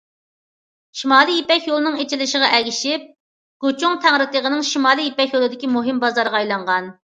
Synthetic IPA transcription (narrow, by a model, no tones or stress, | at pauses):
ʃimɑːlˠijipɛkʲjolˠɨnɨŋet͡ʃilɪʃəʁɑʔɛɡʲiʃip̚ | ɡ̥ot͡ʃuŋt̪ʰæŋɾɨt̪əʁənɨŋʃimɑːlˠijipɛkʲjolˠɨd̪ɪkʲimuɦɨmbɑzɑɾʁɑɑjlˠɑɴʁɑn